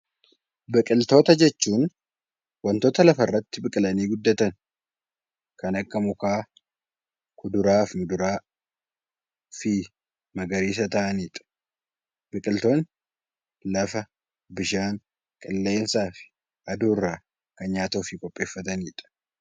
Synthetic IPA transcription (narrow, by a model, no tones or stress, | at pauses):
bɪkʼɪlt̪o̞ːt̪ɐd͡ʒɛt͡ʃːuːn | wɐnt̪oːt̪ɐlɐfɐrːɐt̪ːɪbɪkʼɪlɐniːɡʊd̪ːɐt̪ɐn | kɐnɐkːɐmʊkaː | kʊd̪ʊɾaːfmʊd̪ʊɾaː | fi | mɐɡɐɾiːs̬ɐt̪ɐʔɐniːt̪ʼɐ̥ | bɪkʼɪlt̪o̞ːn | lɐfɐ | bɪʃaːŋ | kʼɪlːe̞ːnsaːfɪ̥ | ʔɐd̪uːrːa | kɐnɲaːt̪oːfikʼɔpʼːe̞ːfːɐt̪ɐniːt̪ʼɐ̥